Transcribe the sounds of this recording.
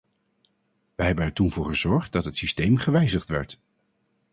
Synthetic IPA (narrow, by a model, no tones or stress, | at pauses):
ʋəɦɛbənɛɹtunvʊːɹχəzɔɹχt̚dɑtɦətsistejmχəʋɛjzəχtʋɛ̰ɹt